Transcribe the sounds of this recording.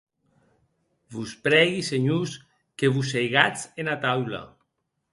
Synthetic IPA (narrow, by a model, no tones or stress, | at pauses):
βuspɾɛɣiseɲus | keβusejɣat͡senat̪awla̰